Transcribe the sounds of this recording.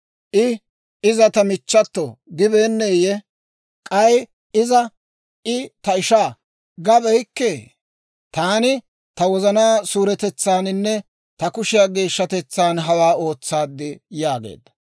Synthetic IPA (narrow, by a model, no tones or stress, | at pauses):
ʔɪ | ɪzɐt̪ɐmɪt͡ʃːɐt̪ːɔɡɪbe̞ːnːeːjɛ | kʼɐj | ɪzɐ | ʔɪt̪ɐɪʃaː | ɡɐbɛjkːeː | t̪aːnɪ | t̪ɐwɔzɐnaːsuːɾɛt̪ɛt͡sːaːnɪnːɛ | t̪ɐkʊʃɪjaːɡeːʃːɐt̪ɛt͡sːaːnɦɐwaːo̞ːt͡sːaːd̪ːɪjaːɡḛːd̪ːɐ̥